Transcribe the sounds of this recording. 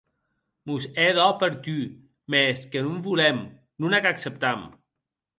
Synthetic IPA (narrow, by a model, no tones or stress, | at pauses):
muzeðɔpəɾt̪y | meskənumbulɛm | nunakaksəp̚t̪am